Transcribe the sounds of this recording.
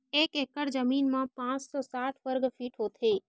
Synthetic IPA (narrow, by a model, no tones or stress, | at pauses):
eːkeːkəɾd͡ʒəmiːnmãpãːt͡ʃsɔːsaːʈʰʋəɾɡfʰiːʈɦot̪ʰeː